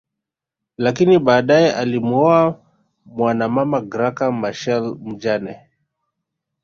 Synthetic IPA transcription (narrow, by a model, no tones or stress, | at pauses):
lakiniɓaːɗajɛʔalimuɔa | mwanamamaɡɾakamaʃɛlm̩d͡ʒanɛ